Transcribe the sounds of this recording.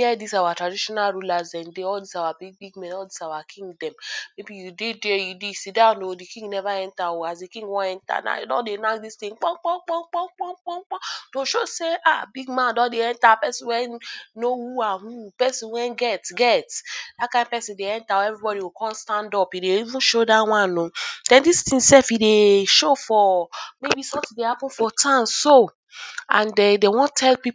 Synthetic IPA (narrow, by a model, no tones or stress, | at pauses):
ɛdisawatɾadiʃɔnaɾulasɛ̃ndeɔldisawabiɡ̚biɡmɛ̃nɔldisawakʰĩŋdɛ̃mmebijudedejudisidanodikĩŋɡnɛvaɛntawoazdekĩŋɡwɔ̃ɛnta̰na̰dɔ̰denak̚distĩŋk͡pɔk͡pɔŋ͡mk͡pɔŋ͡mk͡pɔŋ͡mk͡pɔŋ͡mk͡pɔŋ͡mk͡pɔtoʃoseʔabiɡmãndɔdeɛntapɛsĩwɛnːohuahũpɛsĩwɛ̃nɡɛtɡɛtdakãɪ̃nd̚pɛsĩdeɛ̃ntaɛvɹibɔɾiwokɔ̃nstãndɔpideivũnʃodaw̃ãnõd̥ɛ̃ndistĩsɛfideʃofɔmebisɔ̃mtĩdehapũnfɔtʰãmso | ãndɛdewɔ̃ntʰɛlpip